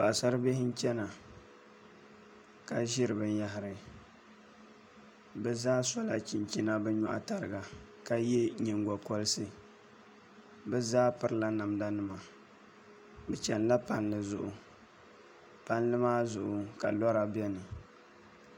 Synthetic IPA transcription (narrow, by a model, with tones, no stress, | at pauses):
ba˨sa˦ɾɨ˦be˦hɪ˦n˦t͡ʃɛ˦na˨ | ka˨ʒɪ˦ɾɨ˨bɨ˨nja˦ɦɪ˨ɾɨ˨ | bɛ˦zaː˦sɔ˦la˨t͡ʃi˨nt͡ʃi˦na˦bɛ˦ɲɔ̰˦ʔa˦ta˨ɾɨ˨ɡa˨ | ka˦jɛ˦ɲɛ˨ŋɡɔ˨kɔ˦lɨ˦sɨ˦ | bɛ˦zaː˦pɨ˦ɾɨ˦la˦na˨mda˦nɨ˦˨ma˨ | bɛ˨t͡ʃɛ˨nla˦pa˨nlɨ˨zʊ˨ʔʊ˨ | pa˦n˦lɨ˦maː˦zʊ˨ʔʊ˨ka̰˨lɔ˦ɾa˨bɛ˦nɨ˨